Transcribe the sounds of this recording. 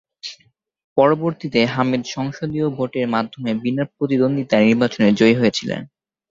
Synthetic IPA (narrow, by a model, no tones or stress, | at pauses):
pɔɾoboɾt̪it̪eɦamid̪ʃɔŋʃod̪iobʱoʈeɾmad̪ʱːomebinap̚ɾot̪id̪ond̪ʱit̪aniɾbat͡ɕoneɾd͡ʑojɦojet͡ɕʰilḛn